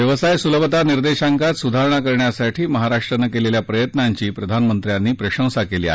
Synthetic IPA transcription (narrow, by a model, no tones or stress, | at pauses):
jəʋəsajsuləbət̪aniɾd̪eɕaŋkat̪sud̪ʱaɾɳakəɾɳjasaʈʰiːməɦaɾaʂʈɾənəkeleljapɾəjət̪naɲt͡ɕiːpɾəd̪ʱanmənt̪ɾjanːiːpɾəɕə̃w̃sakeliːa̰